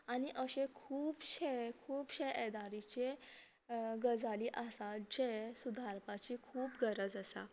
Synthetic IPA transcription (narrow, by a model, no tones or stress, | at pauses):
añiʔəɕẽkʰuːbɕekʰuːpɕeʔed̪aɾit͡ɕe | ɡəd͡zʱaliːʔasad͡ʑesud̪ʱaɾpat͡ɕikʰuːpɡəɾəd͡zəsa̰